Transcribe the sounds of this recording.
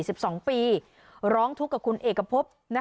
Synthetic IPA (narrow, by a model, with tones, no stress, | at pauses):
si˨˩p̚sɔː˩˦ŋpiː˧ | ɾɔː˦˥ŋt̪ʰu˦˥kːa˨˩p̚kʰu˧nʔeː˨˩kːɾa˧pʰo˦˥p̚na˦˥